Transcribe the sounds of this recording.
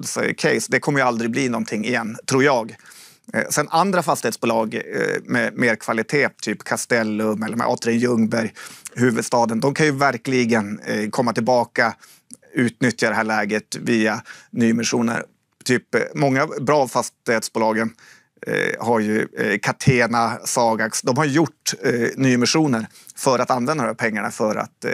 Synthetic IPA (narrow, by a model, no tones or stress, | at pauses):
sɔ̰kʰɛɪsd̪ɛkʰɔmːəjɵald̪ɾɪɡ̚bliːnɔnt̪ʰɪŋːɪjɛnːt̪ʰɾuːɾjɑːɡ | sɛnand̪ɾafast̪ɪheːt̪sbuːlɑːɡmɛ̰meːɾkʰv̥alɪt̪ʰeːt̪ʰyːpkʰast̪ɛlːɵmɛlːəɾmɛ̰ʔɑ̰ːt̪ɾɪnjɵŋbæɾjɦʉ̟ːvɵd̪st̪ɑːd̪ənd̪ɔmkʰanjɵvæɾklɪɡənkʰɔmːat̪ɪlbɑːka | ʉ̟ːt̪nʏt̪jad̪ɛɦæːɭɛːɡət̪viːanyːmɪʂuːnə̰ɾ | t̪ʰyːpmɔŋːabɾɑːvfast̪ɪheːt̪sbʊːlɑːɡən | haɾjɵkʰat̪ʰeːnasɑːɡaksd̪ɔmhaɾjɵjʊʈːnyːəmɪʂuːnəɾ | fœɾat̪anvɛnd̪ad̪ɔmæːpʰɛŋːaɳa̰fœɾa̰t̪